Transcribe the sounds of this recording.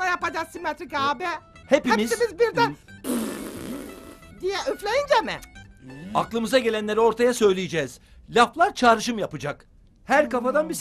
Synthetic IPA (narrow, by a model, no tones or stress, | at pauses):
ajapad͡ʒasimet̪ɾikaːbɛ | hepimizmizbiɾd̪æn | d̪ijɛyflʲejind͡ʒɛmɪ̰ | aklˠɯmɯzaɟe̞lʲænlʲeɾio̞ɾt̪ʰajasø̞jlʲijed͡ʒɛːz̥ | lʲaflˠaɾt͡ʃʰaːɾɯʃ̬ɯmjapɯd͡ʒak | hæɾkafad̪anbi